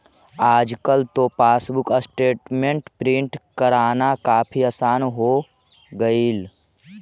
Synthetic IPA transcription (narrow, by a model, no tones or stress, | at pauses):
aːd͡ʒkəlt̪opaːsbʊkəsʈeːʈmẽɳʈpɾɪ̃ɳʈkəɾaːnakaːpʰiaːsaːnɦo | ɡəil